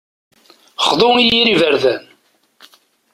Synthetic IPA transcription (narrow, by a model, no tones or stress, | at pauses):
χðˤʊijiɾivəɾðæn